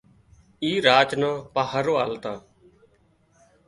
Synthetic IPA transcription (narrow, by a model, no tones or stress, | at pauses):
iːɾaːt͡ʃnãːpaːɦəɾoːaːlt̪ãː